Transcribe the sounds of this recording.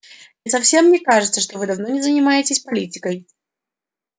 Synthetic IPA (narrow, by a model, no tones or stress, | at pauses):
ɪsɐfsʲe̞mːnʲekaʐɨt̪səʂt̪ovɨd̪ɐvno̞nʲɪzənʲɪmajɪtʲɪsʲpɐlʲitʲɪkəj